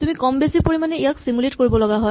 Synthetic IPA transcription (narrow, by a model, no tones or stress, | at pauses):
tumikɔmbesipoɹimanɛijaksimuletkoɹibɔlɔɡaɦɔɪ